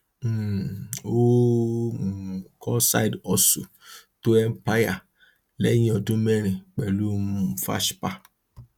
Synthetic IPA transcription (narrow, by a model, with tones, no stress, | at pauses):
o˦˨ | kʰɔ˦sa̰˦˨jdɔ˨sṵ˨ | to˦ɛ˦m˦pa˦ja˨ | lɛ˦ɲĩ˦ɔ˨dũ˦me˦ɾ̃ĩ˨k͡pɛ˨lu˦fa̰˦ʃpa˦